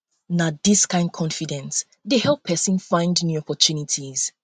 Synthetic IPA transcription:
nadiskãɪ̃nd̚kʰɔ̃nfidɛ̃ns | dehɛlˠpʰːɛsĩnfãɪ̃ndnjuɔpɔtʰunitʰiz̥

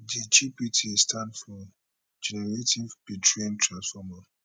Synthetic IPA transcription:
did͡ʒipitʰistʰãndfɔ̃ | d͡ʒɛnɛɹetʰivpitʰɹẽntʰɹãnsfɔma

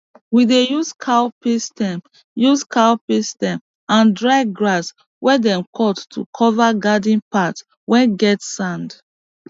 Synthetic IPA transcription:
widejuskʰawpistɛm | juskʰawpistɛ̃m | ãndɹaɪɡɹas | wɛdɛ̃mkʰɔtːʰṵkʰɔvaɡadĩnpat | wɛ̃nɡɛtsãnd

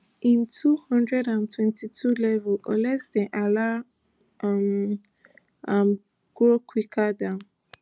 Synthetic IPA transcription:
ĩntʰuhɔ̃ndɹɛdãntʰwɛ̃ntʰitʰulɛvuɔlɛsdɛ̃ʔala | m | am | ɡ̥ɹokʰwikʰadãʊ̃n

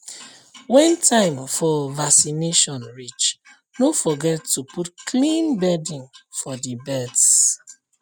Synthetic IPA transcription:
wɛ̃ntʰãɪ̃mfɔvaksineʃɔ̃nɹit͡ʃ | nofɔɡɛtːuputkʰlĩnbɛdĩŋfɔdibɛds

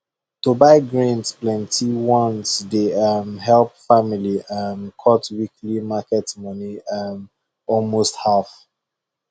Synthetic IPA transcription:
tobaɪɡɹĩnsplɛ̃ntʰiwɔ̃nsdeʌmhɦɛlp̚familiamkʰɔtwikʰlimakɛtmʌniam | ɔlmosthaf

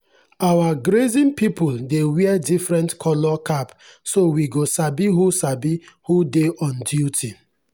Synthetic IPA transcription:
awaɡɾezĩnpipuldewiɛdifɾɛ̃ntkʰɔlɔkʰap | sowiɡosabiɦusabihudeʔɔ̃ndjutʰi

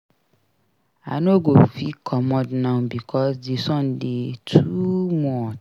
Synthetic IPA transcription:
anoɡofikʰɔmɔ̃dnãbikʰɔsdesɔ̃ndetʰumɔ

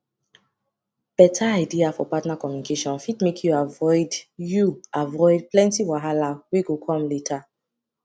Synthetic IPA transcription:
b̥ɛtʰaaɪdiafɔ̰patnakɔmjunikʰeʃɔ̃nfitmekʰjuavɔɪdjuavɔɪd̚plɛ̃ntiwaɦalaweɡokʰɔ̃mletʰa

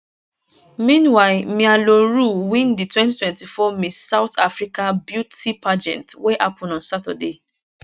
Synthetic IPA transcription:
mĩnwaɪlmialoɹuwĩnditwɛ̃nt̬itwɛ̃ntifɔmĩsaʊtʰafɹikabjutipʰad͡ʒɛ̰̃ntweʔapʰɔ̃nɔ̃nsatɔ̰de

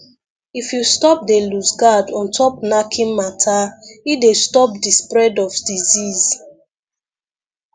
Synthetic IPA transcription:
ifjustɔp̚delusɡadɔ̃ntʰɔpnakʰĩnmatʰaidestɔp̚dispɹɛdɔfdiziz̥

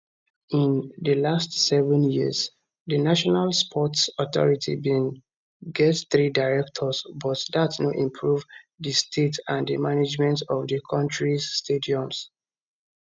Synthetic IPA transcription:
ĩndəlastsɛvə̃njiz | ðənaʃɔnalspʰɔtsɔθɔ̰ɹitʰḭbĩn | ɡɛtθɹidaɹɛk̚tʰɔsbɔtdatnoʔĩmpʰɹuv | ðəstʰetãndəmaned͡ʒmɛ̃ntɔvðəkʰɔ̃ntɹiːtʰediɔ̃ms

